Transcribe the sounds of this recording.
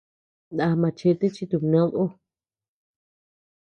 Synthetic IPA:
nd̪a˧mã˧t͡ʃe˦˧t̪e˦t͡ʃi˧t̪u˧˨nã˦o˦

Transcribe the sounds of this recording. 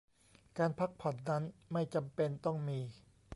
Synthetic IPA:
kaː˧npʰa˦˥k̚pʰɔ˨˩t̪̚na˦˥nma˥˩jt͡ɕa˧mpe˧nt̪ɔ˥˩ŋmiː˧

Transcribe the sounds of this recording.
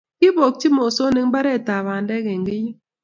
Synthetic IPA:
ki˦bo˨k̚t͡ʃi˦mo˨so˦ne˦ŋ˦ba˦ɾe˦˨ta˨βa˨n˦dɛ˦ke˨ŋ̩˨ɡi˦ɲi˦

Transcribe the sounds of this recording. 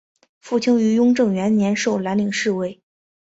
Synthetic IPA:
fu˥˩t͡ɕʰi˥ŋy˧˥jʊ˥ŋʈ͡ʂɤ˥˩ŋɥɛ˧˥nnjɛ˧˥nʂo˥˩ʊla˧˥nli˨˩ŋʂɻ̩˥˧we˥˩ɪ

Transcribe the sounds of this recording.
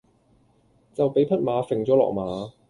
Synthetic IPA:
t͡sɐ˨wpe˨˥jpʰɐ˥t̚maː˨˧fɪ˨ŋt͡sɔː˨˥lɔ̰ː˨k̚maː˨˧

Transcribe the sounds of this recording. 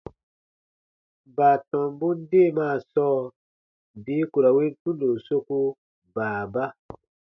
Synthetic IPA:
baː˨tɔ̃˨mbu˦n˦deː˦˨maː˦˨sɔː˦ | biː˨˦ku˨ɾa˨we˦n˦tũ˦ndo˨so˦ku˦ | baː˨ba˦

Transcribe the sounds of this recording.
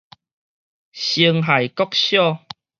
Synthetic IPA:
ɕi˧əŋɦa˨jkɔ˦k̚ɕjɔ˥˧˨

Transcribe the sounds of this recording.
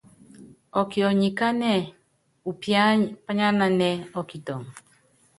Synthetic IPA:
ɔ˨ki˨ɔ˨ɲi˨ka˦nɛ˨ | u˨pja˦pa˦ɲa˦na˨nɛ˨ɔ˨ki˨tɔ˨ŋ

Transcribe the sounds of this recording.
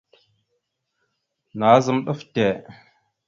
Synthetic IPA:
na˨˦zə˦mɗə˦fte˨

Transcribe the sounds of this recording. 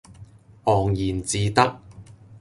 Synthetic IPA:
ʔɔː˨˩ŋjiː˨˩nt͡siː˨˧t̪ɐ˥k̚

